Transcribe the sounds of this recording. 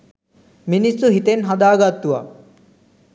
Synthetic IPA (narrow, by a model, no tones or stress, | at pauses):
minisːuɦit̪enɦad̪aːɡat̪ːuʋa̰